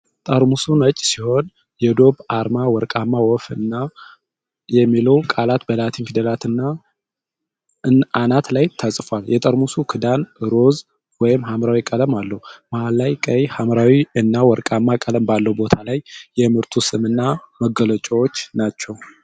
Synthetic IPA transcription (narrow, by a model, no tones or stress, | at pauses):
t̪ʼəɾmusunət͡ʃʼːsiho̞n | jɛd̪o̞βaɾmawɔɾkʼamːawɔfɨ̰nːa | jɛmːiləwkʼalat̪bəlat̪ʰinkɨd̪əlat̪ɨnːa | ɨnanat̪lajt̪ʰəsʼfaljɛt̪ʼəɾmusukʰɨd̪anɨɾo̞z | wɔjɪmhamɾawikʼələmalːəhumaalːajkʼəjhamɾawiɨnːawɔɾkʼamːakʼələmbalːəwbo̞t̪ʰalajːɛmɨɾt̪ʰusɨmɨnːaməɡələt͡ʃʼəwot͡ʃːnat͡ʃːɛw